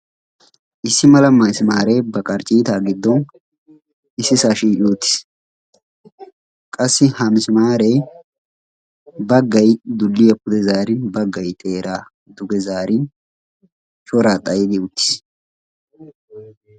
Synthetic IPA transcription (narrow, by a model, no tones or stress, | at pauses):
ʔɪsːɪmɐlɐmɐmɪsɪmaːɾeːbɐkʼɐɾt͡ʃʼiːt̪aːɡɪd̪ːɔn | ɪsːɪsaːʃiːoʊt̪ːɪ̥s | kʼɐsːɪhɐmɪsɪmaːɾeː | bɐɡːɐjd̪ʊlːijɐpːʊd̪ɛzaːɾɪnbɐɡːɐjt̪ʼeːɾʔaː | d̪ʊɡɛzaːɾɪn | t͡ʃʼɔɾaːt̪ʼɐjɪd̪ɪʊt̪ːɪ̥s